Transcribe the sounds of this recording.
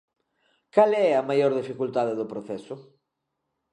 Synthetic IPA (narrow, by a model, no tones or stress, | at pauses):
kalɛɐmajoɾðifikult̪aðeðʊpɾoθɛsʊ